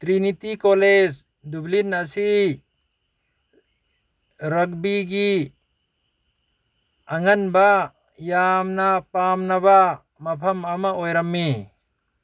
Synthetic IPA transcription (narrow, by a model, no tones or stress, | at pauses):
t̪ɾinit̪ikɔled͡ʒ | dublinasi | ɾɐk̚biɡi | aŋɐnba | jamnapamnaba | mɐpʰɐmamaojɾamːi